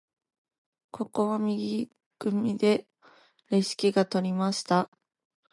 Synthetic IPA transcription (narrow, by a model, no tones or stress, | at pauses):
kʰo̞ko̞βamʲiɡʲi | ɡ̥ɯ̟mʲid̪e̞ | ɾeɕi̥kʲiɡat̪o̞ɾʲimaɕi̥t̪a